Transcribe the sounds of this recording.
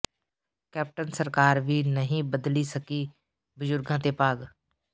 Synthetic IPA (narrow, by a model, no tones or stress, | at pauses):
kɛːp̚ʈənsəɾkaːɾʋiːnəɦĩːbəd̪liːsəkiː | bəzʊɾɡãːt̪eːpaːɡ